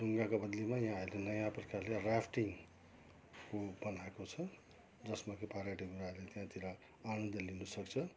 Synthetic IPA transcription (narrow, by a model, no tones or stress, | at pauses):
duŋɡakabʌd̪limajãailenʌjãprʌkarlerapʰʈiŋ | kobʌnaekot͡sʰʌ | d͡zʌsmakʰipaɾaʈibuɾalet̪jãt̪iɾʌ | aɽ̃ʌnd̪ʌlinʌsʌkt͡sʰʌ